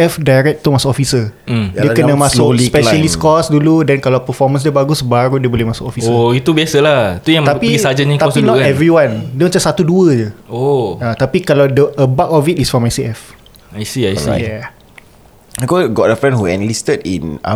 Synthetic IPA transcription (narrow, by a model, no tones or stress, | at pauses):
ɛfdajɾɛk̚t̪umasʊkɔfisədikənãmãsʊkpɛʃəliskɔsduludɛnkalawpəfɔmə̃ns̬dibaɡusbaɾudiəbolehmasʊkɔfisit̪ubiasəlait̪ujãŋt̪apiisad͡ʒaɲãkt̪asinɔɛvɾiwãndõnd͡ʒasat̪uduədəoat̪apikalawdəəbakɔfit̚isfɹɔ̃majsiɛf | ajsiajijɛ | akɔɡɔʔ̚dəfɹɛ̃nhuɛ̰̃nlistədḭ̃na̰